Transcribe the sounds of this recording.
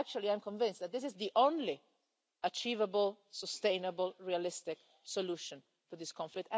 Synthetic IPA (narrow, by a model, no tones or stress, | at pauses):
k̚t͡ʃulˠiãjmkɔ̃ɱvɪ̃nsðæt̪̚d̪ɪs̬ɪzðiʔõnli | ət͡ʃiːvəbəlˠsəst̪ẽɪnəbəlˠɹialɪst̪ɪk | sɔluʃə̃n | fuðɪskɔ̃ɱflɪk̚t